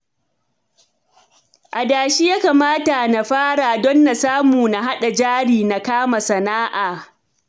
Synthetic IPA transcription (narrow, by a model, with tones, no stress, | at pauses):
ʔa˨daː˨ʃi˦jaː˦kaː˨maː˦ta˨na˨ɸaː˦ɽa˨dɔ˦nːa˨saː˦muː˨na˨ɦa˦ɗa˨d͡ʒaː˦ɽiː˨na˨kaː˦ma˨sɐ˨naː˦ʔaː˨